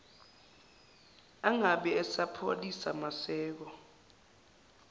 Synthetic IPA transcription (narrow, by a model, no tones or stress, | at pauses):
aŋaɓɛɛsapʰo̰lisamasɛːk̬ɔ